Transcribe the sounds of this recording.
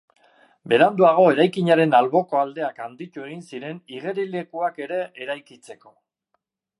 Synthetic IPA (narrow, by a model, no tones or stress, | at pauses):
be̞ɾand̪uaɣ̞o̞e̞ɾajkiɲaɾe̞nalβo̞ko̞ald̪e̞akand̪it̪ue̞ɣ̞insiɾe̞niɣe̞ɾile̞kuake̞ɾe̞ʔeɾajkit͡se̞ko̞